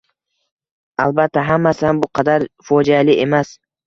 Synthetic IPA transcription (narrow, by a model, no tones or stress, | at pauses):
alˠbat̪ʰːaɦamːasɪhambʊqʰɑd̪aɾfɒd͡ʒalɪʔe̞mas